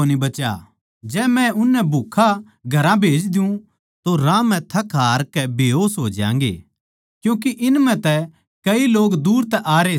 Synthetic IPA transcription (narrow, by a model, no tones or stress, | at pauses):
oːnibɐt͡ʃa̰ | d͡ʒɛːmɛ̃ʊnːɛbʱukʰa | ɡʱɐɾãbʱeːd͡ʒd̪ɪjũ | t̪oɾãːmɛ̃t̪ʰɐkʰɦaːɾkɛbʱɦoːsɦoːd͡ʒã̰ːŋ̆ɡḛː | kjũːk̬iʔɪnmɛ̃t̪ɛ | kɐiloːɡd̪uːɾt̪ɛʔaːɾe